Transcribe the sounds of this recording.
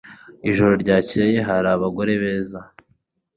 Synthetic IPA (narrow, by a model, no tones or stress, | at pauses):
iʒoɾo̞ɾɟaːceje̞ɦaɾaːβaɡo̞ɾe̞βe̞ːza